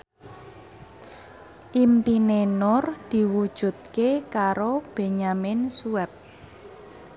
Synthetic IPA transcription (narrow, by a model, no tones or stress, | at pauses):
ʔimpinenʊrd̪̥i̤wud̥ʒ̥ṳt̪̚kekaɾob̥e̤ɲamɪnsuɛp̚